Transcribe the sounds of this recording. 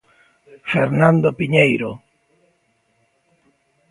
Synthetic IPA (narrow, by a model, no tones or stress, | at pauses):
feɾnãnd̪opiɲejɾo